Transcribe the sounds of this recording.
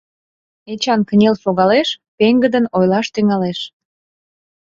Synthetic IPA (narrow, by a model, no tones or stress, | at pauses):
et͡ɕɑnkənʲelsoɣɑleʃpeŋɡəd̪ənojlɑʃt̪yŋɑleʃ